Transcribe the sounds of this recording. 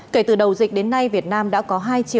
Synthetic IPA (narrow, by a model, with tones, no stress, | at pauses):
ke˧˩t̪ɨ˨˩ɗə˨˩wzï˨˩k̟̚ɗe˨˦nːa˧jvi˨˩ət̚naː˧mɗa̰ː˧˥kɔ˨˦ɦaː˧jt͡ɕi˨˧˨